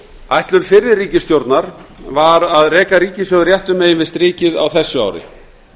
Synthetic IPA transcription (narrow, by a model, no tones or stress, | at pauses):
ajht̪lʏnfɪɾːɪðriːcɪst̪jowɾt̪naɾ̥vaɾaðrɛːkaɾiːcɪsjowðrjɛht̪ʏmeːjɪnvɪðst̪ɾiːcɪða̰wθɛsːʏa̰ːwɾɪ̰